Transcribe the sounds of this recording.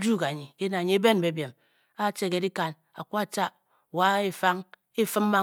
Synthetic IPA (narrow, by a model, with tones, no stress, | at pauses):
d͡ʒu˦ka˨ɲi˨ke˦na˨ɲi˨e˦be˦n˨be˨˦bje˨m | a˦˨t͡ʃe˦˨ke˨˦di˦ka˨n | a̰˨kʷu˦a˨t͡ʃa˦˨ | wa˨˦e˦fa˦ŋ | i˦fɨ˦m˦ma˦